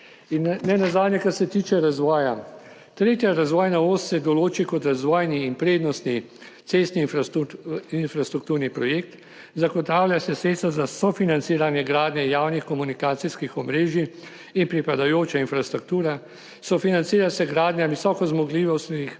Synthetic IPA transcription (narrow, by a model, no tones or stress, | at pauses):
innɛnazaːd̪nʲjɛkasɛt̪iːt͡ʃɛɾazʋɔːja | t̪ɾeːt̪jaɾazʋɔːjnaoːst̪sɛd̪ɔloːt͡ʃikɔt̪ɾazʋɔːjniːnpɾeːd̪nɔst̪ni | t̪sest̪ni | infɾast̪ɾuk̚t̪uːɾnipɾɔjeːk̚t̪ | zaɡɔt̪aːwljasɛseːt̪st̪azasɔfinant̪siːɾanjɛɡɾaːd̪nʲjɛjaːwnixkɔmunikaːt̪siskixɔmɾeːʒiː | npɾipad̪ajoːt͡ʃainfɾast̪ɾuk̚t̪uːɾa | sɔfinansiːɾasɛɡɾaːd̪nʲjaʋisɔːkɔzmɔɡliːʋɔst̪nix